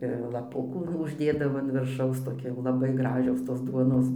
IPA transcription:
ɪr lˠɐˈpʊkuː nʊ ʊʒʲˈdʲeːdɐʋoː ɐn ʋʲɪrˈʃɐʊs toːˈkʲɪ jɛʊ lˠɐˈbɐɪˈɡrɑːʒʲoːs toːs ˈduɔnoːs

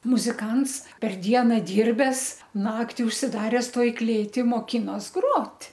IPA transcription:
mʊzʲɪˈkɐns pʲɛr ˈdʲiɛnɐ ˈdʲiːrʲbʲɛs ˈnɑːktʲɪ ʊʃʲsʲɪˈdɑːrʲɛs ˈtoːj ˈklʲeːtʲɪ moːˈkʲɪnoːs ˈɡroːtʲ

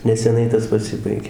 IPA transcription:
nʲɛsʲɛˈnɐɪ ˈtɐs pɐˈsʲɪbɐɪɡʲeː

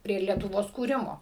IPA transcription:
pʲrʲiɛ lʲiɛtʊˈʋoːs kuːˈrʲɪmoː

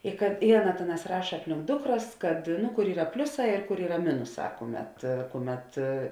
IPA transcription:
ɪ kɐt ɪ ˈɑːˌnɐ ˈtʲeːˌnɑːs ˈrɑːʃɐ ˈɑːpʲlʲɪŋk ˈdʊkˌrɐs kɐt ˈnʊ kʊr ˈiːrɐ ˈpʲlʲʊˌsɑː ɪr kʊr ˈiːrɐ ˈmʲɪnʊˌsɑː ˈkʊˌmʲɛt ˈkʊˌmʲɛt

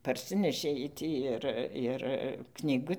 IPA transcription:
pɐrʲˈsʲɪnʲɛʃʲeː ˈjiɛj ˈtʲiː ɪr ɪr knʲiːˈɡʊ

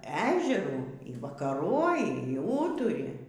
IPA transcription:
ˈæːʒʲɛruː iː ʋɐkɐˈroːjɪ iː ˈuːtʊrʲɪ

